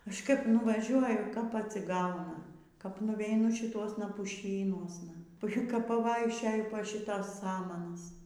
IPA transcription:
ˈɐʃ kɐɪp nʊʋɐˈʒʲuɔjʊ kɐp ɐtʲsʲɪˈɡɐʊnɐ kɐp nʊʋʲɛɪˈnʊ ʃʲɪˈtuɔsnɐ pʊˈʃʲiːnuɔsnɐ pʊˈʃʲʊkɑː pɐˈʋɐɪkʃʲt͡ʃʲoːjʊ poː ˈʃʲɪtɐs ˈsɑːmɐnɐs

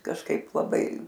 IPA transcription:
kɐʃˈkɐɪp lˠɐˈbɐɪ

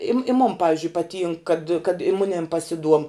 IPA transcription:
ɪ m ɪ moːn ˈpɑːʋʲɪzʲd͡ʒʲʊɪ pɐˈtʲiːŋk kɐt kɐt ɪ ˈmʊnʲeːm pɐsʲɪˈduɔm

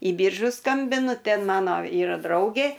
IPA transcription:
iː ˈbʲiːrʒʊs ˈskɐmʲbʲɪnʊ ˈtʲɛn ˈmɑːnoː ˈiːrɐ ˈdrɐʊɡʲeː

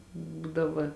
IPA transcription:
ˈbuːdɐʋɐ

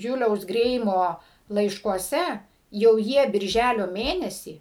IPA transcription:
ˈjʊlʲɛʊs ˈɡrʲɛɪmoː lˠɐɪʃkuɔˈsʲɛ jɛʊ ˈjiɛ bʲɪrʲˈʒʲælʲoː ˈmʲeːnʲɛsʲiː

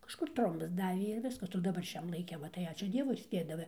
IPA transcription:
kɐʃˈkʊr ˈtroːmbɐs ˈdɑːʋʲeː ɪr ˈʋʲɪskɐs oː dɐˈbɐr ˈʃʲɛm lˠɐɪˈkʲɛ ˈʋɐ tɐɪ ˈɑːt͡ʃʲuː ˈdʲiɛʋʊɪ ˈsʲpʲeːdɐʋɐ

